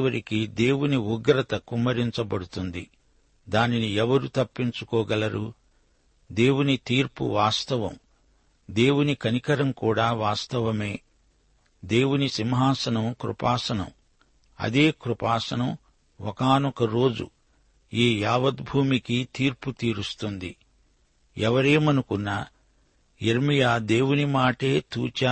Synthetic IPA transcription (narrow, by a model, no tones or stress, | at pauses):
ʋɐɾikid̪e̞ːwuniuɡɾɐt̪ɐkumːɐɾiɲt͡ʃɐbɐɽut̪und̪ḭ | d̪aːniniɛʋɐɾut̪ɐpːiɲt͡ʃukɔːɡɐlɐɾu | d̪e̞ːwunit̪iːɾpṵʋaːst̪ɐʋɐ̰m | d̪e̞ːwunikɐnikɐɾɐmkuːɽaːʋaːst̪ɐʋɐme̞ː | d̪e̞ːwunisimɦaːsɐnɐmkɾṵpaːsɐnɐ̰m | ɐ̰d̪eːkɾupaːsɐnɐm | ɔkaːnukɐɾo̞ːd͡ʒṵ | iːjaːʋɐd̪bʱuːmikit̪iːɾput̪iːɾust̪und̪ḭ | ɛʋɐɾeːmɐnukunːa | eɾmijaːd̪e̞ːwunimaːʈeːt̪ṵːt͡ʃa